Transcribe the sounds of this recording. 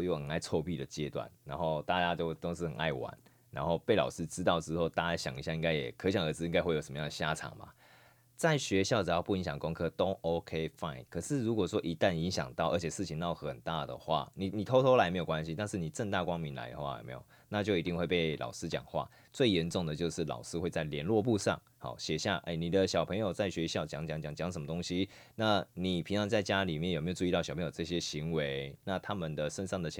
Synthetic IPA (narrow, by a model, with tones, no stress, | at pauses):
jo˥˩ʊxə˨˩ŋa˥˧ɪt͡sʰwɔ˥˧ʊpi˥˨˩d̪ə˩t͡ɕjɛ˦t̪wa̰˨nɻa˧˥nxo˥˧ʊt̪a˥˧t͡ɕja˦˥t͡ɕjo˥˧ʊt̪o˥ʊʂɻ̩˥˩xə˨˩a̰˥˩ɪwa̰˧˦n | ɻa̰˧˦nxo˥˧ʊpe˥˩ɪlɑ̰˨˩ʊʂɹ̩˦ʈ͡ʂɻ̩˥t̪ɑ˥˧ʊt͡sɻ̩˥xo˥˧ʊt̪a˥˧t͡ɕa˥ɕjɑ˨˩ŋi˧ɕja˥˧i˥ŋɡa˥ɪjɛ˨˩kʰɕjɑ˨˩ŋə˧˥t͡sɹ̩˧i˥ŋka˥xwe˥˩jo˨˩ʂə˨˧mə˧jŋə˩ɕja˥˧ʈ͡ʂʰɑ̰˨˩ŋba̰˨ | t͡sa˥˩ɪɕɥɛ˧˥ɕjɑ˥˩ʊʈ͡ʂɤ˨˩jɑ˥˧ʊpu˥˩i˧˥ŋɕjɑ˨˩ŋkʊ˦ŋkʰɤ˥t̪o˦ʊʔo˦ʊkʰe˦ɪfa˥˩ɪnkʰɤ˨˩ʂɻ̩˥˨ɻu˧˥kwɔ˨˩ʂwɔ˦˥ʔi˧˦˥t̪a˥˨ni˧˥nɕjɑ̰˨˩ŋt̪ɑ˥˩ʊʔə˞˧˥t͡ɕʰɛ˨˩ʂɻ̩˥˩t͡ɕʰi˧˦ŋnɑ˥˧˩ʊxə˨˩nt̪a˥˩d̪ə̰˩xwa̰˥˩ni˨˩ni˨˩t̪ʰo˥ʊt̪ʰo˥ʊla˧˥ɪme˧˥jo˨˩kwa˦nɕi˧˦t̪a˥˧nʂɻ̩˥˩ni˨˩ʈ͡ʂə˥˧ŋt̪a˥˩kwɑ˥ŋmi˧˥nla̰˧˥ɪd̪ə˨˩xwa̰˥˩j̰mḛ˧˥jo̰˨˩na˥˧t͡ɕjo˥˩i˧˥t̪i˥˧ŋxwe˥˧ɪpe˥˩ɪlʔɑ̰˨˩ʊsɹ̩˥t͡ɕjɑ̰˨˩ŋxwa̰˥˩ | t͡swe˥˩ɪjɛ˧˦nʈ͡ʂʊ˥˩ŋd̪ə˩t͡ɕjo˥˧ʊʂɻ̩˥˩lɑ̰˨˩ʊʂɹ̩˥xwe˥˧ɪt͡sa˥˩ɪljɛ˧˥nlwɔ˥˧p̬u˥˧ʂɑ̰˥˨˩ŋ | hɑ̰˨˩˦ɕjɛ˨˩ɕja˥˩ʔḛ˥˩ɪni˨˩d̪ə˦ɕjɑ˨ʊpʰə˧˥ŋjo˨ʊt͡sa˥˩ɪɕɥɛ˧˥ɕjɑ˥˩ʊt͡ɕjɑ˧˥˦ŋt͡ɕjɑ˧˥˦ŋt͡ɕjɑ˨˦ŋt͡ɕjɑ˨˥˦ŋs̬ə˧˦nmə˧t̪ʊ˥ŋɕi˦ | na˥˩ni˨˩pʰi˧˥ŋt͡sʰɑ˧˥ŋt͡sa˥˧ɪt͡ɕja˥li˨˩mjjo˨˩me˧˥jʈ͡ʂu˥˧i˥˧t̪ɕɑ˨˩pʰɤ˧˦jo˨˩ʈ͡ʂɤ˥˩ɕ̬jɛ˦ɕi˧˥ŋwe˧˦ɪna˥˩t̪ʰa˥mə˨nd̪ə˨ʂə˥nʂɑ˥˩ŋd̪ə˩t͡ɕʰ